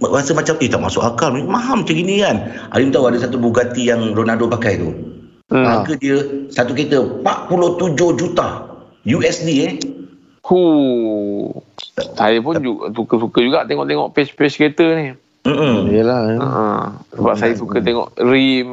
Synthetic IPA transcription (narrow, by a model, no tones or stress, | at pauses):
asəmat͡ʃamiht̪aʔmasʊkakalmmãɦamt͡ʃəɡinianʔa̰jumt̪auadəsat̪ubuɡat̪ijaŋronadopakajt̪ṵ | aakədiəsat̪uket̪əpaʔ̪puloht̪ud͡ʒohd͡ʒut̪a | juɛsdie | hu | sajəpʊnd͡ʒusukəsukəd͡ʒuɡaʔt̪eŋɔ̰ʔt̪eŋɔ̰ʔpɛspɛsket̪ənɪ | m̩ʔm̩jəlaə̰ʔəsəbap̚sajəsukət̪ɛŋɔ̰ʔɾim